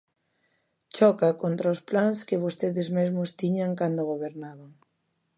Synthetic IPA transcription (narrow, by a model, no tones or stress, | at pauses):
t͡ʃɔkakont̪ɾaʊsplaŋskɪβost̪eðɪzmezmʊst̪iɲaŋkand̪oɣoβeɾnaβaŋ